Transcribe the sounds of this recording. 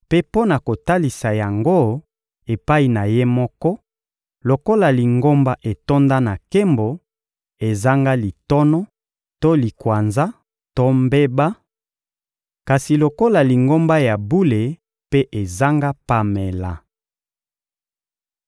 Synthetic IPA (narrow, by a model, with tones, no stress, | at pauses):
pe˦po˦na˨ko˨ta˦li˨sa˨ja˨ŋɡo˦ | e˨pa˦i˨na˨je˦mɔ˦kɔ˦ | lo˨ko˦la˨li˨ŋɡo˦mba˦ʔe˨to˦nda˦na˨ke˦mbo˨ | e˨za˦ŋɡa˦li˨tɔ˦nɔ˦ | to˦li˨kwa˨nza˦ | to˦mbe˦ba˦ | ka˨si˨lo˨ko˦la˨li˨ŋɡo˦mba˦ja˨bu˦le˨ | pe˦ʔe˨za˦ŋɡa˦pa˦me˨la˨